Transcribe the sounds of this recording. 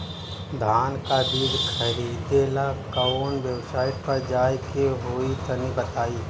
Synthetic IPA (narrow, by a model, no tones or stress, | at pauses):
d̪ʱaːnkad̪iːd̪kʰɐɾiːd̪eːlakɐoːnʋjɐwsaːɪʈ̚pɐɾd͡ʒaːjkeɦoːit̪ɐnibɐt̪aːiː